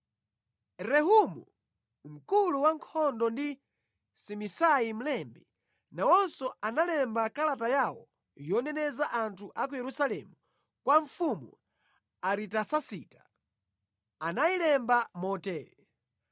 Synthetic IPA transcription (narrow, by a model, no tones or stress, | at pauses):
ɾɛɦumṵ | m̩kuluwaŋkʰɔndɔndi | simisajim̩lɛmbɛ | nawɔnsɔanalɛmbakalatajawɔ̰ | jɔnɛnɛzaʔantʰuʔakujɛɾusalɛ̰mu | kwaɱfumu | aɾitasasiːtḁ | anajilɛmbamɔtɛːlɛ